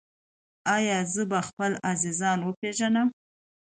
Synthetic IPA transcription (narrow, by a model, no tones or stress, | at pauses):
ɑjɑzəbaxpəlazizɑnwəpeʒanəm